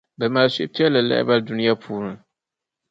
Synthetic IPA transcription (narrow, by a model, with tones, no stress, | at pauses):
bɛ˨maː˨lse˨˦pi˦ɛ˦la˨lɛ̰˦ʔɪ̰˦ba˦ldu˦ni˦ja˦pʰuː˦nɨ˨˦